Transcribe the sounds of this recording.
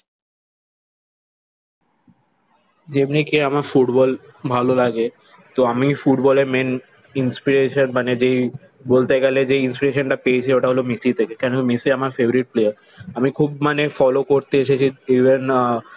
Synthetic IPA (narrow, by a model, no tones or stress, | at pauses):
d͡ʑebnikeamaɾfuʈbɔlbʱalolaɡe | t̪oamifuʈbɔleɾmen | inspiɾeʃonmaned͡ʑej | bolt̪eɡɛled͡ʑeinspiɾeʃonʈapeet͡ɕʰieoʈaɦolomisit̪ʰekekɛnomisiamaɾfeboɾiʈ̚plejaɾ | amikʰubmanefɔlokoɾt̪eeʃet͡ɕʰiiben